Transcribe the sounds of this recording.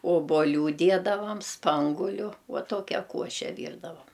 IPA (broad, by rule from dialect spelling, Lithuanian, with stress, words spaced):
oːboːˈlʲuː ˈdʲiɛdɐʋɐm ˈspɐŋɡʊlʲʊ ʋɐ ˈtuɔkʲɛ ˈkuɔʃʲɛ ˈʋʲiːrdɐʋɐm